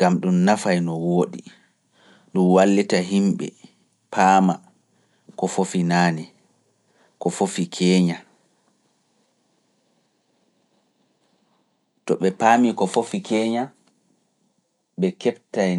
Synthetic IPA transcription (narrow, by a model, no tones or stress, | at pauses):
ɡ̥amɗumnafajnɔwoːɗi | ɗumwalːitaɦimɓɛ̰ | pʰaːma | kɔfofinaːni | kɔfofikʰɛːɲa | tɔɓɛpaːmikɔfofikʰɛːɲa | ɓɛkɛptaj